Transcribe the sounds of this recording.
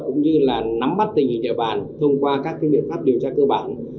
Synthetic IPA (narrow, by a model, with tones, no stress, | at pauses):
kʊ̰˧˥ŋ͡mɲɨ˧laː˨˩na˨˦mɓa˦˥t̚t̪ï˨˩ŋ̟i˨˩ɲəː˧˨˩ɓa̰ː˨˩nt̪ʰə˧wŋ͡mkwaː˧kaː˦˥kːaː˨˦jɓḭ˧˨ənfaː˦˥p̚ɗi˨˩əwt͡ɕaː˧kəː˧ɓaː˧˩n